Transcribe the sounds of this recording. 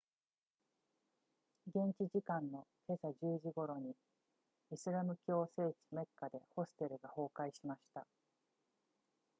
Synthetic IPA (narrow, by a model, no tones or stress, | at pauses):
ɡẽ̞ɲt͡ɕiʑikãnːo̞ke̞saʑɨːʑiɡo̞ɾo̞ɲ̟i | isɨɾamɯ̟kʲo̞ːse̞ːt͡ɕi̥me̞kːad̪e̞ho̞sɨ̥t̪e̞ɾɯ̟ɡaho̞ːkaiɕimaɕi̥t̪a